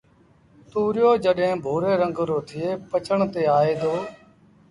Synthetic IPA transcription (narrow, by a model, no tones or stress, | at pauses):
t̪uːɾɪjoːd͡ʒəɗɦẽːbʱoːɾeːɾə̃ŋɡɾoːt̪ʰɪeːpət͡ʃəɳt̪eːaːeːd̪oː